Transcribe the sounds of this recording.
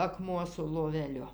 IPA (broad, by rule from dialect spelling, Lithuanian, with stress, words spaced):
ɐˈkmuɔ sʊ lˠoːʋʲɛˈlʲʊ